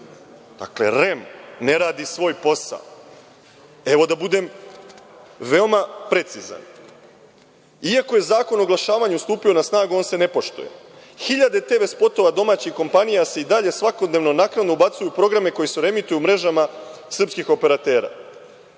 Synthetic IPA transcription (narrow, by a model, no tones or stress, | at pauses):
d̪̥akle̞̰ɾemne̞ɾaːd̪isʋo̞ːjpo̞sa̰o | e̞ʋo̞d̪abud̪e̞m | ʋeo̞mapɾe̞t̪siza̰n | iako̞je̞zaːko̞noɡlˠaʃaːʋaɲust̪uːpio̞nasnaːɡuo̞ːnse̞ne̞po̞ʃt̪ṵjḛ | xiʎad̪e̞t̪e̞ːʋe̞spo̞t̪o̞ʋad̪o̞maːt͡ɕixko̞mpanijaseid̪aʎe̞sʋako̞d̪neʋno̞naknad̪noubat̪sujupɾo̞ɡɾame̞ko̞jeseɾe̞mit̪ujumɾe̞ʒamasr̩pskixo̞pe̞ɾat̪e̞ːɾa̰ː